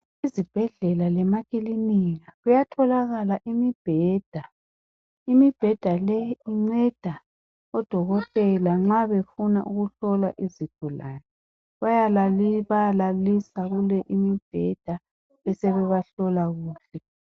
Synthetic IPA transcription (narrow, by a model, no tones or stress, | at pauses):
izib̥ʱɛɮɛlalɛmakiliniɣaɣujatʰɔlaɣalaʔimib̥ʱɛːd̥ʱa | imib̥ʱɛd̥ʱalɛjiŋ͡ǀɛd̥ʱa | ɔd̥ʱɔɣɔtʼɛlaŋ͡ǁaβefuna̰ʔuɣuɬɔla̰ʔizitʰulaːnɛ | βajaβajalalisaɣulɛʔimib̥ʱɛd̥ʱa | ɛsɛβɛβaɬɔlaɣuːɬɛ